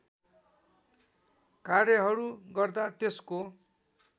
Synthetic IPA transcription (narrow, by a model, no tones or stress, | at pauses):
karjʌɦʌɾuɡʌrd̪at̪esko